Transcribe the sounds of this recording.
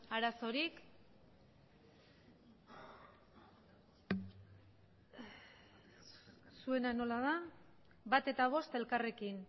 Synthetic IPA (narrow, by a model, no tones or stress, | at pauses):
aɾaso̞ɾik | sue̞nano̞lað̞a | βat̪e̞t̪aβ̞o̞st̪e̞lkare̞kin